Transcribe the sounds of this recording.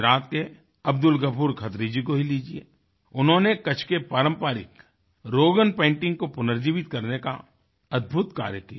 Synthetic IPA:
ɾaːt̪̚ke | ɐb̚d̪ʊlɡəpʰuːɾkʰɐt̪ɾid͡ʒikoɦiliːd͡ʒiḛː | ʊnɦõnekɐt͡ʃʰkepaːɾə̃mpaːɾɪ̰k | ɾoːɡənpẽːɳʈɪ̃ŋɡkopʊnəɾd͡ʒiːʋɪt̪kɐɾneka̰ | ɐd̪̚bʱʊt̪ka̰ːɾjəki

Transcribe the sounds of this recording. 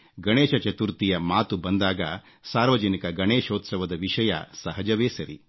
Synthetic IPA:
ɡɐɳeːʃɐt͡ʃɐt̪uɾt̪ijɐmaːt̪ubɐnd̪aːɡɐ | saːɾʋɐd͡ʒɐnikɐɡɐɳeːʃoːt̪sɐʋɐd̪ɐʋiʂɐjɐ̰sɐɦɐd͡ʒɐʋeːsɐɾḭ

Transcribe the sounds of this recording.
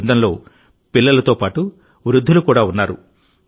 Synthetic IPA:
nd̪ɐnlo̞ː | pilːɐlɐt̪o̞ːpaːʈu | ʋɾud̪ʱːulukuːɽaːunːaːɾṵ

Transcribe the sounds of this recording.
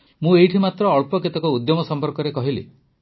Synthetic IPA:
mũejʈʰimat̪ɾɔːɭpɔkit̪ɔkɔud̪jɔmɔsɔmpɔɾkɔɾekɔɦilḭ

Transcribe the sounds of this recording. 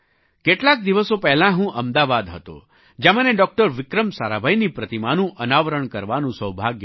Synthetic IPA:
keʈlak̚d̪iʋəsopɛɦlãɦũʔəmd̪aʋad̪ɦət̪o̰ | d͡ʒeməneɖɔk̚ʈəɾʋɪkɾəmsaɾabʱajnipɾət̪imanũʔənaʋəɾəɳkəɾʋanũsəwbʱaɡj

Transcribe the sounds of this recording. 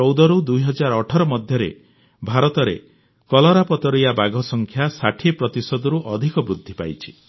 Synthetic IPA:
ɔwd̪ɔɾud̪ujɦɔd͡ʒaɾɔʈʰɔɾɔmɔd̪ʱjɔɾḛ | bʱaɾɔt̪ɔɾḛ | kɔlɔɾapɔt̪ɔɾijabaɡʱɔsɔŋkʰjasaʈʰipɾɔt̪isɔd̪ɔɾuʔɔd̪ʱikɔbɾud̪ʱːipa̰jt͡ʃʰi̥

